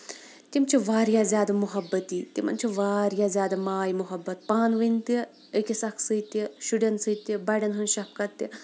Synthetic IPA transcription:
t̪imt͡ʃʰiʋaːɾjaːzʲjaːd̪ɐmʊɦɐbːɐt̪iːt̪imɐ̰nt͡ʃʰiʋaːɾjaːzʲjaːd̪ɐmaːjmʊɦɐbːɐt̪̚paːnʋɨnt̪ɐ | əkisɐkʰsɨt̪ɐʃuɖɐnsɨt̪ibɐɖɐnɦɐnʃɐp̚kɐt̪ːi

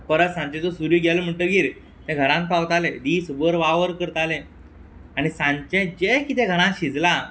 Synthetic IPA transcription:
pəɾət̪sãɲt͡ɕẽt̪osuɾjuɡjalom̤əɳʈəɡiːɾ | t̪ɛ̃ɡʱəɾãnpaʋt̪aled̪iːsubəɾʋaʋəɾkəɾt̪alẽ | aɽ̃isãɲt͡ɕẽd͡ʑekit̪̬ɛ̃ɡʱəɽ̃ãɕid͡zla

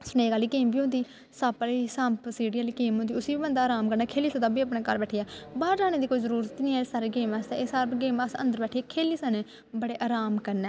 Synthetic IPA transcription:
sʊneːkaːliːkeːmbiːʊ̃nd̪iː | saːpːliːsãmpsiːɽiːaːliːkeːmɦõnd̪iːʊsiːbiːbənd̪aːɾaːmkəɾnɛːkʰeːliːsət̪ãːbiːaːpɽẽːkəɾbɛːʈʰijaːbaːɾd͡ʒaːñeːd̪iːkoːiːzəɾuːɾət̪niːɛsaːɾeɡeːmaːst̪ɛːeːsaːɾbɡeːmaːsə̰̃nd̪əɾbɛːʈʰiaːkʰeːliːsaːneː | bəɽeːʔaːɾaːmkəɾnɛː

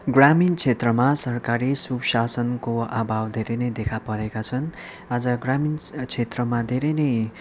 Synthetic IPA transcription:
ɡramint͡sʰet̪rʌmasʌrkaɾisubsasʌnkoa̰bʱawd̪ʱeɾʌjnʌjd̪ekʰapʌɾekat͡sʰʌn | ad͡zʌɡramint͡sʰet̪rʌmad̪ʱeɾʌjnʌj

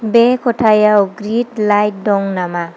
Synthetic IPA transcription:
bekʰoʈʰajaɡɾiʈlajɖɔŋnama

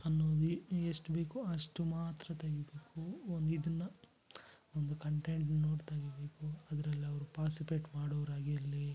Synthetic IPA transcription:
ɐnːoːd̪ieʂʈbe̞ːkuɐʂʈumaːt̪ɾɐt̪ɐɡibeːkuond̪uid̪ɐnːɐ | ond̪ukɐɳʈeɳʈnno̞ːɽt̪aːɡebe̞ːkuɐd̪ɐɾɐlːiɐʋɐɾupaːʈsipeːʈmaːɽoːʋɐɾaːɡijɐlːi

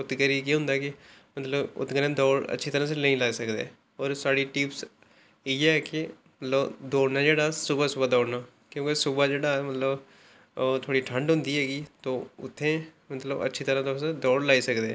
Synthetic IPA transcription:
ʊt̪ɡəɾiːkiɦʊ̃nd̪aːkɪmət̪ləbʊ̰t̪ɡəɾẽːd̪ɔːɽə̰tːʃʰiːt̪əɾãːs̬eləĩːlaːiːsəkd̪ḛː | ɔːɾsaːɽiːʈiːps | iːɛːkɪ | mət̪ləbd̪oːɽnaːd͡ʒeːɽaːsʊbaːsʊbaːd̪ɔːɽnaː | kjõːkesʊbaːd͡ʒeːɽaːɛmət̪ləb | t̪ʰoːɽiːʈʰəɳɖɦʊ̃nd̪iːɦɛːɡiːt̪õːʊ̰t̪ʰːẽːmət̪ləbə̰tːʃʰiːt̪əɾãːt̪osed̪ɔːɽlaːiːsəkd̪eː

